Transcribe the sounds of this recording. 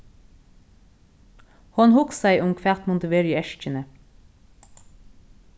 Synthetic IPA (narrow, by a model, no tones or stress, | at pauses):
hɔnhʊksæɪʔʊmkʰʋæt̪mʊnt̪əʋeːɹiːɛʃc͡çənə